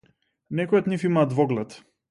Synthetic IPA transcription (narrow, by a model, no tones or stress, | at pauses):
nɛkɔjɔd̪nifimaːd̪vɔɡlɛt̪